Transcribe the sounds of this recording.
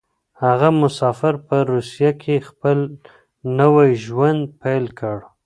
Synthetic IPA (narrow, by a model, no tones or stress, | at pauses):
haɣamʊsɑfɪɾpəɾusijakʰexpəl | nəwajʒwand̪̚pajlkʰəɽ